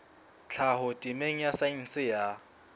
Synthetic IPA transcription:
t͡ɬʰahʊtʼimeŋ̩jasain̩sɪja

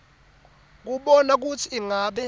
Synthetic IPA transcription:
k̬uɓɔnak̬ut͡sʰiːŋaɓɛ

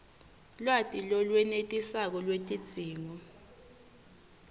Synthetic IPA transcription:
lwatʼilɔlwɛnetʼisak̬ɔlwetʼid̥z̥ʱiːŋɔ

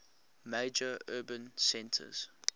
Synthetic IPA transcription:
meɪd͡ʒəɜːbə̃nsɛ̃ntʰə̰z̥

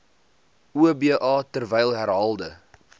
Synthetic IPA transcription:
uəbiəʔɑːtərvɛjlˠɦæɾɦɑːlˠdə

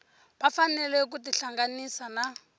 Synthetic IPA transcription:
βafanɛlɛk̬utiɬaŋɡanisana

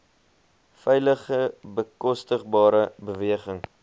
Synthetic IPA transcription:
fɛjləχəbəkɔstəχbɑːɾəbəviəχəŋ

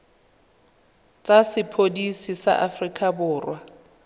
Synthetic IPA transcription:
t͡sʼasɪpʰodisisa̰ʔafrikʼabʊːrwa

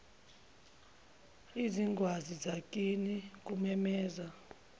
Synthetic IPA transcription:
iziŋɡʱwazizak̬ʼinik̬umɛmɛːza

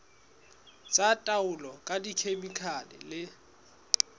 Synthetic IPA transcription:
t͡sʼatʼaʊlɔkʼadikʰemikʰanɪ̰lɪ

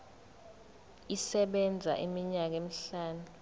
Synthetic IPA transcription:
isɛɓɛnd͡zʱa̰ʔimiɲak̬emiɬaːnu

